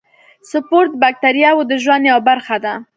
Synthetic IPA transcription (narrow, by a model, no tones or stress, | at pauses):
sʊpoɾt̪̚bak̚t̪aɾjɑwod̪əʒwand̪jawbaɾxad̪a